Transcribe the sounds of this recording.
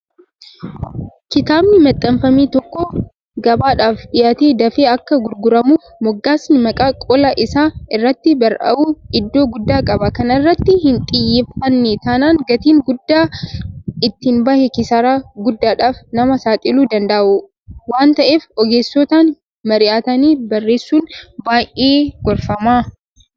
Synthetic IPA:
kɪt̪aːbnɪmɐt̪ʼːɐmfɐmiːt̪ɔkːɔ | ɡɐbaːᶑaːfᶑɪjaːt̪eːd̪ɐfeːɐkːɐɡʊɾɡʊɾɐmuːfmɔɡːaːsnɪmɐkʼaːkʼɔlɐʔɪsaːɪrːɐt̪ːɪbɐɾʔɐ̰ʔuːɪd̪ːo̞ːɡʊd̪ːaːkʼɐbɐkɐnɐrːɐt̪ːɪhɪnt̪ʼɪjːefɐnːet̪aːnaːŋɡɐt̪iːŋɡʊd̪ːaː | ɪt̪ːɪnbɐhɛkɪsɐɾaːɡʊd̪ːaːᶑaːfnɐmɐsaːt̪ʼɪluːd̪ɐnd̪ɐʔʔʊ | waːnt̪ɐʔeːfɔɡeːsːɔt̪aːn | mɐɾɪʔaːt̪ɐniːbɐrːeːsːuːnbaːjʔeːɡ̥ɔɾfɐmaː

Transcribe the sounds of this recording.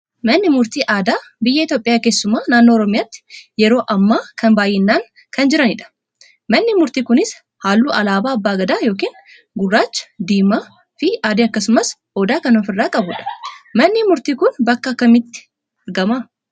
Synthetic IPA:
mɐnːɪmʊɾt̪iːʔaːd̪aːbɪjːɐɪt̪joːpʼɪjaːke̞ːsːʊmaːnaːnːo̞ːɾɔmɪjaːt̪ːɪ̥jɛɾo̞ːʔɐmːaːkʰɐnbaːjːɛnːaːŋ | kɐnd͡ʒɪɾɐnɪᶑɐ̥ | mɐnːɪmʊɾt̪iːkʊnɪs | haːlːuːʔɐlaːbaːɐbːaːɡɐd̪aːjo̞ːk̬iːn | ɡʊrːaːt͡ʃːɐ̥d̪iːma | fɪaːd̪eːɐkːɐsʊmɐs | oːd̪aːkɐnɔfɪrːaːkʼɐbʊᶑɐ̥mɐnːɪmʊɾt̪iːkʊnbɐkːɐːkːɐmɪt̪ːɪ̥ | ɐɾɡɐma

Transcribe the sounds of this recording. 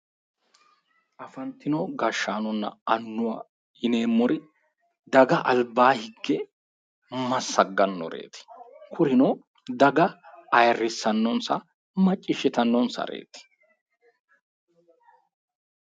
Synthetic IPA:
ʔɐfɐnt̪ːɪnɔɡɐʃːaːnɔnːɐ̰ɐnːʊwɐ̰ | ɪneːmːɔɾɪ | d̪ɐɡɐʔɐlbːaːhɪɡːɛ | mɐsːɐɡːɐnːɔ̰ɾḛːt̪ɪ̥kʰʊɾɪnɔ | d̪ɐɡɐɐjrːɪsːɐnːɔnsɐ | mɐt͡ʃʼːɪʃɪt̪ɐnːɔnsɐ̰ɾḛːt̪ɪ̥

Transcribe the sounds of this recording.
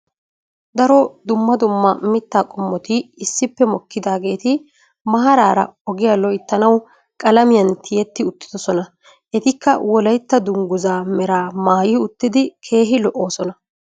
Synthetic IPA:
d̪ɐɾɔd̪ʊmːɐd̪ʊmːɐmɪt̪ːaːkʼɔmːɔt̪ɪːsːɪpːɛmɔkːɪd̪aːɡe̞ːt̪ɪ | mɐɦɐɾaːɾɐɔɡɪjalɔjt̪ːɐnɐw | kʼɐlɐmɪjɐnt̪ʰɪjɛt̪ːɪʊt̪ːɪ̥d̪̥ɔsɔnɐ | ʔɛt̪ɪkːɐwɔlɐjt̪ːɐd̪ʊŋɡʊzaːmɛɾaːmaːjiːʊt̪ːɪd̪ɪkʰe̞ːɦɪlɔʔːo̞ːsɔnɐ

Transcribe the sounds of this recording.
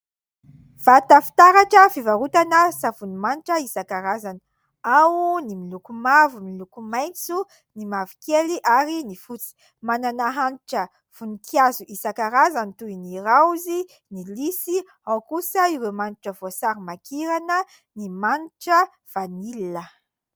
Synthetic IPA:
v̥at̪afi̥t̪aɾaʈ͡ʂəfivaɾut̪anəsavunimaniʈ͡ʂəisakaɾazani̥ | awnimilukumavumilukumajnt͡su | nimavikeliʔaɾinifut͡si̥ | mananaɦaniʈ͡ʂə | v̥unikʰiazuʔisakaɾazanit̪ujniɾawzi | nilisi | awkusəiɾemaniʈ͡ʂəvosaɾimakiɾanə | nimaniʈ͡ʂə | v̥anilnə

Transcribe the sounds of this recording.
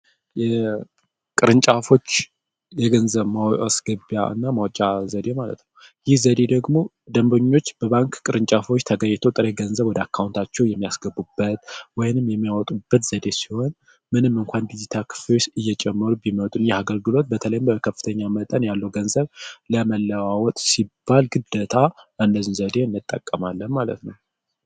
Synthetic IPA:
jɛ | kʼɨɾɨnt͡ʃʼafo̞t͡ʃː | jɛɡənzəβmawasɡɨbja̰ɨ̰nːamawt͡ʃʼazəd̪e̞malə̰t̪nəw | jɪhzəd̪e̞d̪əɡmo̞ | d̪əmboɲːo̞t͡ʃːb̥əβaŋkkʼɨɾɨnt͡ʃʼafo̞t͡ʃːt̪ʰəɡəɲːt̪ʰot̪ʼɨɾeɡənzəβwɔd̪əakʰːawunt̪ʰat͡ʃːɛwjɛmːijasɡəbːubːət̪wɔjnɨmjɛmːijawt̪ʼubːət̪z̥əd̪e̞si̥ho̞n | mɨnɨmːɨŋkʷand̪id͡ʒit̪ʰakʰɨ̥flot͡ʃɨjːɛt͡ʃʼɛmːəɾubimət̪ʼunjɛaɡəlɡɨlo̞t̪̚bət̪ʰələjɪmbəkʰəfːɨ̥t̪ʰəɲːamət̪ʼənjalːəwɡənzəβləməlːəwawɔt̪ʼsibːalɡɨd̪ːət̪ʰaʔɨnːəzɨnzəd̪e̞ɨnːɨt̪ʼːə̰kʼːəmalːənmalə̰t̪nəw

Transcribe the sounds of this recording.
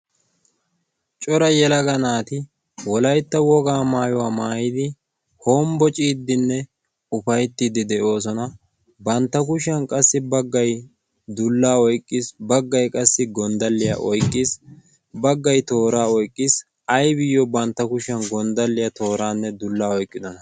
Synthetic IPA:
t͡ʃʼɔɾɐjɛlɐɡɐnaːt̪ɪ | wɔlɐjt̪ːɐwɔɡaːmaːjɔwaːmaːjɪd̪ɪ | hoːmbɔt͡ʃʼiːd̪ːɪnːɛ | ʊfɐjt̪ːɪd̪ɪd̪ɛʔo̞ːs̬ɔnɐ | bɐnt̪ːɐkʊʃɐnkʼɐsːɪbɐɡːɐj | d̪ʊlːaːɔjkʼːɪsbɐɡːɐjkʼɐsːɪɡɔnd̪ɐlːɪja̰ʔɔjkʼːɪs | bɐɡːɐjt̪o̞ːɾaːɔjkʼːɪs | ɐjbɪjːɔbɐnt̪ːɐkʊʃɐnɡɔnd̪ɐlːɪjɐt̪o̞ːɾaːnːɛd̪ʊlːaːɔjkʼːɪd̪ɔnɐ

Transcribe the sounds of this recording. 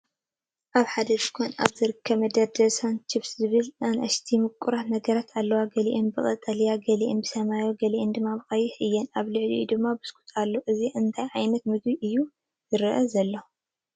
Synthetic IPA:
ʔaβħad̪ɐʃkʰonʔa̰βzɨɾɨkʰːɐβmɐd̪ɐɾd̪ɐsant͡ʃʰɪfszɨβɨlnanʔɐʃt̪ʰimɨkʼːuɾanɐɡɐɾat̪ʰalːɐwaɡɐliʔenbɨχʼɐt̪ʼːɐlijaɡɐliʔɛnbɨsɐmajoɡɐliend̪ɨmːaβɨxʼɐjɪħʔɨjːɛnaβlɨʕlḭud̪ɨmːabɨskʰʼu̥t̪ʰʼalːoʔɨziʔɨnt̪ʰajʕajnɐt̪mɨd̪wiʔɨjːu | zɨɾɐʔɐzɐlːo

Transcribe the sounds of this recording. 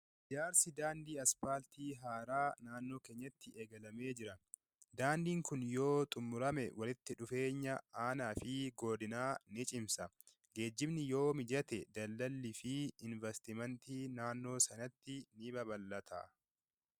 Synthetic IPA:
d͡ʒaːɾsɪd̪aːnd̪iːɐspaːlt̪iːɦaːɾaːnaːnːo̞ːke̞ːɲːɐt̪ːɪʔeːɡɐlɐme̞ːd͡ʒɪɾɐ | d̪aːnd̪iːŋkʊnjo̞ːt̪ʼʊmːʊɾɐmɛwɐlɪt̪ːɪᶑʊfe̞ːɲːɐaːnaːfɪɡo̞ːd̪ɪnaːnɪt͡ʃʼɪmsɐ | ɡe̞ːd͡ʒːɪbnɪjo̞ːmɪd͡ʒɐt̪ɛd̪ɐlːɐlːɪfɪɪnvɛst̪ɪmɐnt̪iːnaːnːo̞ːsɐnɐt̪ːɪnɪbɐbɐlːɐt̪ʰa̰ː

